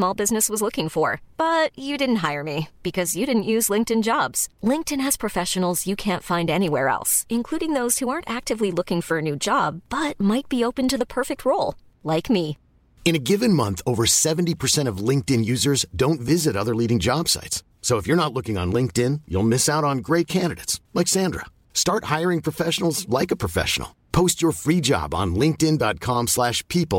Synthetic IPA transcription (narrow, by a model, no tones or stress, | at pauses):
smɔlˠbɪznɨswʌzlʊkɪ̃ŋfə˞b̥ʌt͡ʃɨdɪdⁿn̩t̚ɦaɪə˞mib̥ɨkʰʌzjɨɾɪdⁿn̩ʔjʉzlɪ̃ŋk̚tɨ̃nd͡ʒɑbz̥lɪ̃ŋk̚tɨ̃nɨz̥pʰɹ̥ɨfɛʃɨn̩l̩ˠzjɨkʰæ̃ntfãɪ̃ndɛniwɛɹɛ̰lˠsɨ̃nkʰl̥uɾɪ̃ŋðoʊz̥huɑɹntæk̚tɨvlilʊkɪ̃ŋfə˞ɨnʉd͡ʒɑb̚bʌt̚maɪt̚b̥ioʊpɨ̃ntɨðəpʰɜ˞fɪk̚t̚ʰɹoʊlˠ | laɪkmi | ɨ̃ñɨɡɪvɨ̃nmʌ̃nθoʊvə˞sɛṽn̩tipʰə˞sɛ̃ɾ̃ʌvlɪ̃ŋk̚tɨ̃njʉzə˞zdõʊ̃ntvɪzɨɾʌðə˞liɾɪ̃ŋd͡ʒɑb̥sa̰ɪts | soʊəfjə˞nətˡlʊkɪ̃ŋə̰̃nlɪ̃ŋk̚tɪ̃njṵlˠmɪsaʊɾn̩ɡɹeɪt̚kʰæ̃ndɨɾḛɪtslaksæ̃ndɹə̰ | stɑɹt̚haɪə˞ɪ̃ŋpʰɹ̥əfɛʃn̩l̩ˠzlaɪkəpʰɹ̥əfɛ̰ʃn̩̰l̩ˠpʰoʊstt͡ʃə˞fɹid͡ʒɑ̰bn̩lɪ̃ŋk̚tɪ̃ndɑt̚kʰɑ̃mslæʃpʰipl̩ˠ